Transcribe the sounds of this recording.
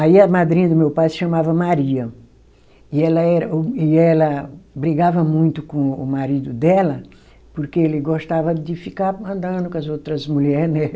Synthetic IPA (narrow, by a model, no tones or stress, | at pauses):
aiɐmad̪ɾĩɲɐd̪ʊmewpajʃɐmavɐmaɾiɐ | ɪɛlɐɛɾɐɪɛlɐbɾiɡavɐmũj̃t̪ʊkõʊ̰maɾid̪ʊd̪ɛlɐ | poɾkeelɪɡoʃt̪avɐd̪ɪfikaɾɐ̃nd̪ɐ̃d̪ʊkõɐzowt̪ɾɐzmuʎɛɾnɛ